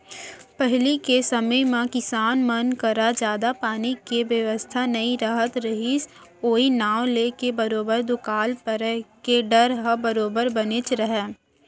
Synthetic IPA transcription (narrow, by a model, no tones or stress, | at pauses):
pɛɦlikesɐməjmãkɪsaːnmənkəɾad͡ʒjaːd̪apaːnikeʋjəʋəst̪ʰanɐĩɾaɦət̪ɾɐɦis | oːinaːwleːkebɐɾoːbəɾd̪ʊkaːlpəɾkeɖɐɾɦəbɐɾoːbəɾbɐnet͡ʃɾəɦɛː